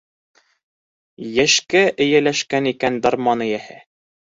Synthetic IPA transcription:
jæʃkæʔɘ̆jælæʃkænikænd̪ɑɾmɑnɤ̆jæhɘ

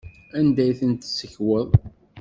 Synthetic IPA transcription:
ænd̪æjθənt̪səçwəðˤ

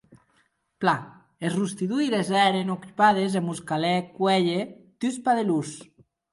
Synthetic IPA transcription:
pla | ezrust̪iðuilezɛɾenokypað̞ezemuskalɛkwɛʎet̪ys̬paðelus

